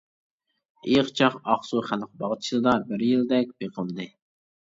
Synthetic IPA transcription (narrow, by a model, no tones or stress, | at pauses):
ejqt͡ʃʰɑqɑχsuχælq̚bɑʁt͡ʃʰilˠɨd̪ɑbɪɾjild̪ɛk̚ʲb̥eqʰəlˠd̪ɨ